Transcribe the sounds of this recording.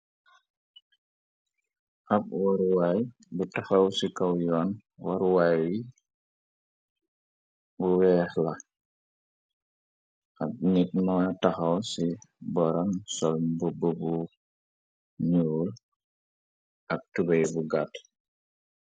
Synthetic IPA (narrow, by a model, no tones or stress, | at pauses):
ap̚wɔɾwaj | butaxɐwsikawjɔnwɔɾwajji | buwɛːhla | ap̚nit̚mataxɐwsibɔɾɔnsɔlbububu | ɲuːl | ɐk̚tubejbuɡat